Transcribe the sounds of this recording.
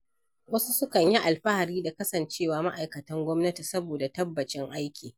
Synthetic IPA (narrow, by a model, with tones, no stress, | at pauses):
wɐ˦su˦sʊ˦kɐ˨ɲji˦ʔa˨lɸa˦ha˨ɾiː˦da˨kɐ˦sɐ˨nt͡ʃeː˦waː˨ma˦ʔa˨jkɐ˨tɐ˦ŋɡʷɔ˦mnɐ˦ti˨sɐ˦boː˨da˨tɐ˦bːɐ˨t͡ʃɪ˦ŋʔa˦jkʲiː˨